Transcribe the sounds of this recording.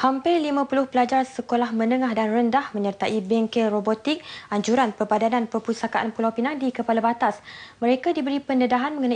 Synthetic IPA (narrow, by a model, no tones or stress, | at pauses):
hampɪrlimãpulʊhpəlad͡ʒarsəkolahmə̃nəŋahdanrəndahmə̃ɲərt̪aʔibɛŋkɛlrobot̪ik̚aɲd͡ʒuɾanpərbadananpəpusakaʔanpulawpinandikəpalabat̪asməɾekadibəɾipənədaɦanmə̃ŋəna